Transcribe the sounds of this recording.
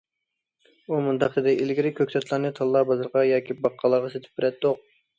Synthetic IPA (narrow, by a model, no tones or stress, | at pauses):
umunt̪ʰɑq̪ɨd̪ɛilɡʲiɾɪkʲʰøkʲsɛt̪lˠɑɾnɨt̪ʰɑlˠːɑbɑzɨɾʁɑjɑːkʲibɑqʰːɑlˠəʁɑset̪ʰɪ̥p̚bɪɾɛt̪d̪oq̚